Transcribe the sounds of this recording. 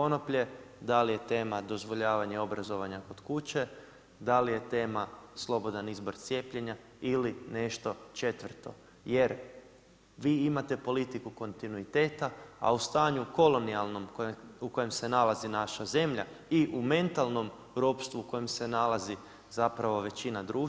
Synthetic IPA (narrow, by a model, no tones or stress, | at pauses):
po̞nopʎe̞d̪alije̞t̪e̞ːmad̪o̞zʋo̞ʎaːʋaɲeo̞bɾazo̞ʋaɲako̞d̪̥kut͡ɕe̞ | d̪alije̞t̪e̞ːmaslˠo̞bo̞d̪anizbo̞ɾt̪sʲje̞ːpʎe̞ɲa | iline̞ʃt̪o̞t͡ʃe̞t̪ʋrt̪o̞̰ | je̞ɾ | ʋiːimat̪e̞po̞lit̪ikuko̞nt̪inuit̪e̞ːt̪aa̰ust̪aːɲuko̞lˠo̞nialˠno̞mkouko̞je̞mse̞nalazinaʃaze̞mʎaiʔume̞nt̪alˠno̞m | ɾopst̪ʋuːko̞je̞mse̞nalazi | zapɾaʋo̞ʋe̞t͡ɕinad̪ɾuː